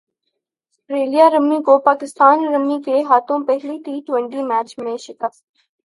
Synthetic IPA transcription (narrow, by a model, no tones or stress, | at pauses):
sʈɾeːlijaɾəmːikopaːkɪst̪aːnɾəmːikeɦaːt̪õpɛɦlit̪iːʈwʋẽɳʈimɛːt͡ʃmẽʃɪkəf